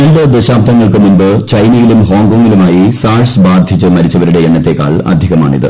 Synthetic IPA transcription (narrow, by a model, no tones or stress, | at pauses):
ɐnɖɐd̪eɕaːb̚t̪ɐŋːɐɭkɨmunbɨt͡ɕɐjnɐjilumɦoːŋɡoːŋːilumaːjisaːrsbaːd̪ʱit͡ɕːɨmɐɾit͡ɕːɐʋɐɾuɽe̞eɳːɐt̪ːe̞kːa̰ːɭɐ̰d̪ʱiɣɐma̰ːɳḭðɨ̰